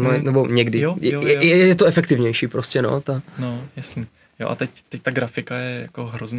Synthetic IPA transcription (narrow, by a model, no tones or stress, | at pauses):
nonɛboɲɛɡdɪjojɛjɛjɛjɛt̪oɛfɛkt̪ɪvɲɛjʃiːpɾoscɛno̞̰t̪anojasɲi | jo̰ʔa̰t̪ɛct̪ɛc̚t̪aɡɾafɪkajɛjakoɦɾozɲ